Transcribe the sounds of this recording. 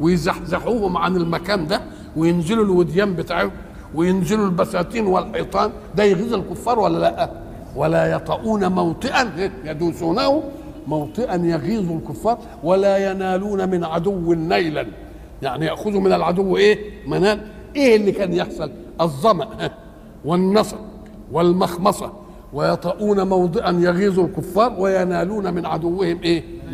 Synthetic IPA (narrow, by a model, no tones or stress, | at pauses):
wɪjzaħzaħuːhʊmʕanɪlmækæːnd̪æ | wɪjɪnzɪlulwɪd̪jæːmbɪt̪aːʕʊm | wɪjɪnzɪlulbæsæːt̪iːnwɪlħejt̪ˤɑːn | d̪æjɪɣiːzˤalkʊfːɑːɾˤwælːælæʔ | wælæjɑt̪ˤɑʔuːnamawt̪ˤɨʔænhæjæd̪uːsuːnæhʊ | mɑwt̪ˤɨʔanjɑɣiːzˤulkʊfːɑːɾˤ | walaːjanæːluːnamɪnʕad̪ʊwːnːæjlan | jaʕnijaʔxʊðhʊmɪnalʕad̪ʊwːʔeːmænaːl | ʔeːʔɪlːikæːnjaħsˤɑl | ʔɑzˤːɑmaʔhæ | wɪnːɑsˤɑ | wɪlmɑxmɑsˤɑ | wajɑt̪ˤɑːʔuːnamɑwd̪ˤɨʔɑnjɑɣiːzˤulkʊfːɑːɾˤwajanæːluːnamɪnʕad̪ʊwːɪhɪmʔeː